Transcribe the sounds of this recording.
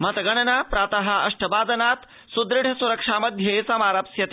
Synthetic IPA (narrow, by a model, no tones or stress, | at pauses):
mɐt̪ɐɡɐɽɐnaːpɾaːt̪ɐɦɐ̆ɐʂʈɐbaːd͡zɐnaːt̪ | sud̪ɾɪɽ̤ʱɐsuɾɐkʂaːmɐd̪ʱjɐisɐmaːɾapsjɐt̪e